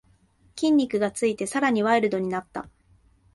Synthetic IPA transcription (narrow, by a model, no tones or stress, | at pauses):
kʲĩɲ̟ʲːikɯ̟ɡat͡sɨit̪e̞saɾaɲ̟iβaeɾɯ̟d̪o̞ɲ̟inat̪ːa̰